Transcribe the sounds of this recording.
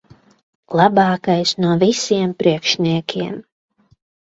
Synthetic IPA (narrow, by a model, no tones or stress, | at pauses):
lˠabɑːkajsnuɔvisiɛmpɾiɛkʃnʲiɛkʰʲiɛm